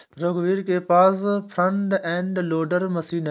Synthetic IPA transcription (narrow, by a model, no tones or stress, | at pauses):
ɾoɡʋiːɾkepaːs̬pʰɾə̃ɳʈɛ̃ːɳɖloːɖəɾmɐsiːn